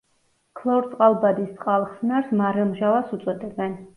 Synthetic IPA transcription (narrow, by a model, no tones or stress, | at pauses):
kʰlˠɔɾt̪sʼqʼalˠbad̪ist̪sʼqʼalˠχsnaɾsmaɾɛmʒalˠasut̪sʼwɔd̪ɛbɛn